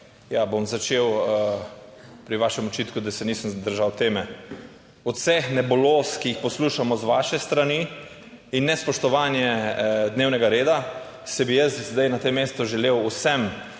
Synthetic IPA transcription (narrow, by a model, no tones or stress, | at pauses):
jabomzat͡ʃewə | pɾiʋaːʃɛmɔt͡ʃit̪kud̪asɛniːsəmd̪əɾʒawt̪eːmɛ | ɔt̪sɛxnɛbɔloːskijixpɔsluːʃamɔzʋaːʃɛst̪ɾani | inːɛspɔʃt̪ɔʋaːnjɛd̪neːwnɛɡaɾeːd̪a | sɛbijəszd̪ajnat̪emːeːst̪uʒɛlewusɛm